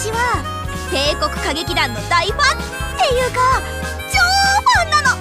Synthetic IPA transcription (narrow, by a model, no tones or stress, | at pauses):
t͡ɕiβa | k̪e̞ːko̞kɯ̟̥kaɡe̞kʲid̪ãnd̪aiɸãn | t̪ejɯɡa | d͡ʑoːɸãnːano